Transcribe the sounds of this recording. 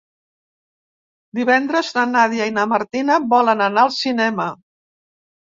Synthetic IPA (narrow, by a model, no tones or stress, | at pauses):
d̪iβɛnd̪ɾəzðənaðjainəməɾt̪inəbɔlənənaəlˠsinɛmə